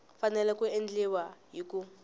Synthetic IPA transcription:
fanɛlɛkuend͡ɮɛwaɦiku

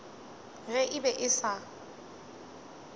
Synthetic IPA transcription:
ɣɛʔɪbɛʔɪsa

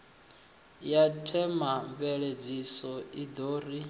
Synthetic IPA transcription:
jatʰɛmambɛɺed͡zisɔid̪oːri

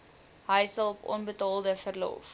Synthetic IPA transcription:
ɦəjsɐlˠɔpɔ̰nbətɑːlˠdəfərlɔ̰f

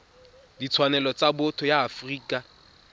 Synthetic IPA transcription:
dit͡sʰwanɛlɔt͡sabʊtʰʊjaːfriːkʼa

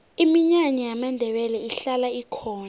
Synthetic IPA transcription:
imiɲaɲɛjamandʱɛɓɛlɛiɬalaikʰɔːna

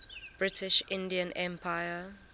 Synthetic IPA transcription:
b̥ɹɪtɪʃɪ̃ndiə̃nʔɛ̃mpʰaɪə

